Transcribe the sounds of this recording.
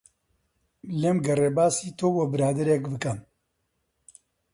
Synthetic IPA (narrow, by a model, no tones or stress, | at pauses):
lemɡɐrebaːsiːt̪ʰoːwɐbɨɾaːd̪ɐɾekbɨkɐm